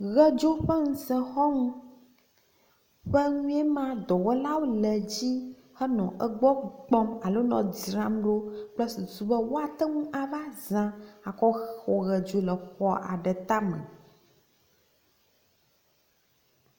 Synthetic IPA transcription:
ɣɛ˦d͡ʒo˦ɸɛ˦ŋ̩̃˨sɛ̃˨xɔ˦ŋũ˦ | ɸɛ˦ɲũ˦ɛ˦mã˦d̪ɔ˨wɔ˦la˦wo˦lɛ˨d͡ʑi˦ | xɛ˦nɔ̰̃˨ʔə˦ɡ͡bɔ˦ɡ͡bɔ̃˦ma˨lo˦nɔ̰̃˨d͡zi˨ɾã˦mɖo˦k͡plɛ˦si˨zu˨bɛ˦wo˦a˨t̪ɛ˦ŋũ˦ʔa˨va˦zã˦a˨kɔ˦xxɔ˨ɣɛ˨d͡ʒo˨˦lə˨xɔ˦ʔa̰˨ɖɛ˨t̪a˦mɛ̰̃˨

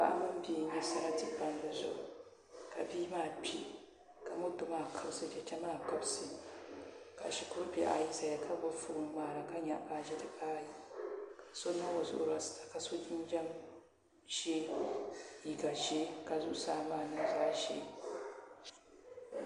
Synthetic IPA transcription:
ba̰˦˨ʔa˦mɨ˦m˦biː˨˦ɲɛ˦sa˦ɾa˦tɨ˦˨ba˨n˦dɛ˨zʊ̰˨ʔʊ˨ | ka˨bi˦maː˦˨pʲʰi˦ | ka˨mo˦tʊ˦maː˦˨kʰɨ˦bsɨ˨d͡ʒɛ˦t͡ʃɛ˦maː˦˨kɨ˦bsɨ˨ | ka̰˨ʃi˨kʊ˦ɾbi˨˦ʔa̰˦ji˦ta˨ja˨kʰa˦bʊ˦fu˦ɾmaː˨ɾa˨ka˦ɲa˨ʔba˨ʒɛ˦dɨ˨kaː˦ji˨kḁ˨so˦n˦a˦wo˨zʊ̰˦ʔʊ˨ɾa˦sta˨ka˨so˦d͡ʒi˦n˦d͡ʒa˦m | ʒe˦ | ji˨ɡa˨ʒe˦ka˨zʊ˦ʔsaː˦maː˦˨nɨ˦zaː˦ʃḛ˦

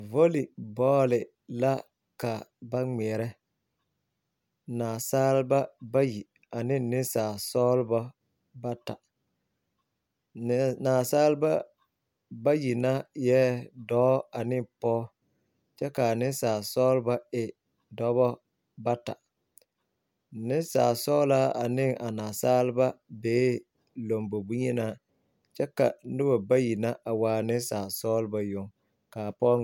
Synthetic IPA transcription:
vo˦li˨bɔː˦lɪ˨ | la˦ | ka˨ba˦ŋ͡mɛ˨ɛ˨ɾɛ˦ | naː˨saː˦lba˦ba˦ji˨ | a˨nɪ˦nɪ˦saː˨sɔː˦lbɔ˦ | ba˦ta˨˦ | naː˨saː˦lba˦ | ba˦ji˨na˦jɛː˦dɔː˨˦a˨nɪ˦pɔː˦ | t͡ʃɛ˦ka˨nɪ˦saː˨sɔː˦lba˦ɪ˨ | dɔ˨˦bɔ˦ | ba˦ta̰˨ | nɪ˦saː˨sɔː˦laː˦a˨nɪ˦ŋʔa˨naː˨saː˦lba˦beː˨˦ | lo˨mbo˨bu˦ɲɛ˦na˦˨ | t͡ʃɛ˦ka̰˨nɪ˦ba˨ba˦ji˨na˦a˨waː˨˦nɪ˦saː˨sɔː˦lba˦jʊ˦ŋ | kaː˨pɔː˦

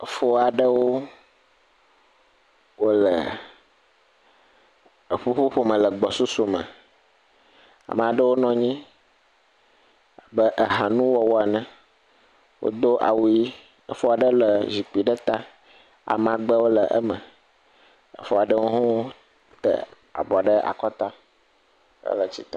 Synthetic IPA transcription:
fo˦a˨ɖə˦wo˦ | wo˦lə̰˨ | ə˨ɸu˦ɸu˦ɸo˦mə̃˨lə˨ɡ͡bɔ˨su˦su˨mə̰̃˨ | a̰˨mə̃˨a˨ɖə˦wo˦nɔ̃˨ɲĩ˦ | a˨bə˦ʔə˨ɦa˨nũ˦wɔ˨wo˦a˨nɛ̃˨ | wʔo̰˦d̪o˦ʔa̰˨wu˦ji˦ | ə̰˦fɔ˦a˨ɖə˦lə˨zi˨k͡pi˨ɖə˦t̪a˦ | a̰˨m̃˨a˨ɡ͡bə˦wo˦lə˨ʔə̰˦mə̃˨ | ə̰˨fɔ˦a˨ɖə˦wo˦ɦɔ̃˦wo˦ | t̪ə̰˦ | a̰˨bɔ˨a˨ɖə˦ʔa̰˨kɔ˦t̪a˦ | ə̰˦lə˨t͡ɕi˨t̪ɔ˦˨

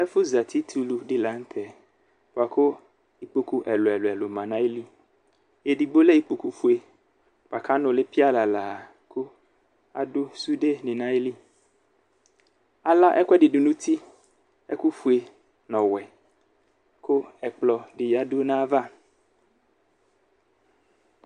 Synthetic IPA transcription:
ɛ˦fo˦za˨t̪ʰi˦t̪ʰu˦lu˨ɖɪ˦la˨˦ŋ̩˦t̪ʰɛ˨ | po˨a˨ko˦ | i˦k͡po˦ku˦ʔɛ˨lo˨ɛ˨lo˨ɛ˨lo˨mã˨nã˦e˦li˦ | e˨ɖi˨bo˦le˦i˦k͡po˨ku˦fu˦e˨ | po˨a˨kʰa˦nʊ̃˨le˦pi˦a˦la˨la˨ | kʰo˦ | a˨do˦su˦ɖe˦nĩ˨nã˦e˦li˦ | a˨la˦ʔɛ˦kʷɛ˦ɖɪ˨du˨nũ˦t̪i˦ | ɛ̰˦ku˦fu˨e˨ | nɔ̃˨wɛ˨ | ko˦ɛ˨k͡plɔ˨ɖɪ˨ja˨do˦nã˦va˦

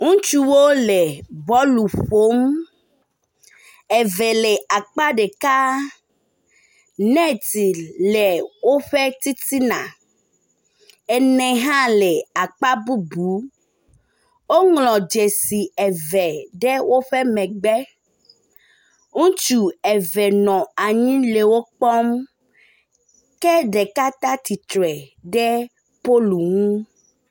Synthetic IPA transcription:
ŋũ˦t͡ʃu˦wo˦lɛ˨bɔ˦lu˨ɸo˦m | ɛ˨vɛ˨lɛ˨a˨k͡pa˦ɖe˨ka˦ | nɛ̃˦t̪i˨lɛ˨wo˦ɸɛ˦t̪i˦t̪i˦nã̰˨ | ɛ˨nɛ̃˨ɦã˦lɛ˨a˨k͡pa˦bu˦bu˨˦ | wo˦ŋlɔ̃˨d͡ʒɛ˨si˨ɛ˨vɛ˨ɖɛ˦wo˦ɸɛ˦mɛ̃˨ɡ͡bɛ˦ | ŋũ˦t͡ʃu˨ɛ˨vɛ˨nɔ̃˨a˨ɲĩ˦le˨wo˦k͡pɔ˦m | kɛ˦ɖɛ˨ka˦t̪a˦t̪i˨t̪ɾɛ˨ɖɛ˦ | po˦lu˨ŋũ˦

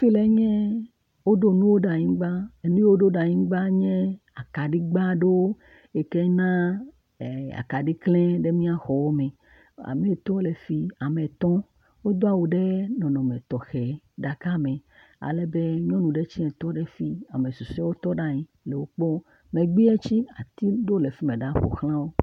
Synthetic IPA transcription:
fi˦le˦ɲɛ̃˦ | wo˦ɖo˦nũ˦wo˦ɖa˨ɲĩ˦ɡ͡ba˦e˨nũ˦je˦wo˦ɖo˦ɖa˨ɲĩ˦ɡ͡ba˦ɲɛ̃˦ | a˨ka˨ɖi˦ɡ͡ba˦ɖe˦wo˦ | e˨kɛ˦nã˦˨ | a̰˨ka˨ɖi˦klɛ̃˦ɖe˦mĩ˦a˦xɔ˨wɔ˦mẽ˨ | a̰˨me˨t̪ɔ̃˦le˨fi˦a˨mẽ˨t̪ɔ̃˦ | wo˦d̪o˦a˨wu˨ɖe˦nɔ̃˨nɔ̃˨me˨t̪ɔ˨xɛ˨ | ɖa˨ka˦mẽ˨ | a̰˨lɛ˦be˦ɲɔ̃˦nũ˨ɖe˦t͡ɕi˦ɛ̃˨t̪ɔ˦ɖe˦fi˦a˨me˨su˨sɛ˦wo˦t̪ɔ˦ɖa˦ɲĩ˦ | le˨wo˦k͡pɔ˦ | mẽ˨ɡ͡bi˦ɛ˦t͡ɕi˦a̰˨t̪i˦ɖo˦le˨fi˦mẽ˨ɖa˦ɸo̰˨xlã˦wo˦

